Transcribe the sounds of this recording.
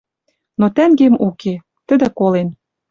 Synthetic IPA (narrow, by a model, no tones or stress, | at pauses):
not̪æŋɡemuke | t̪ə̆d̪ɘ̆kolen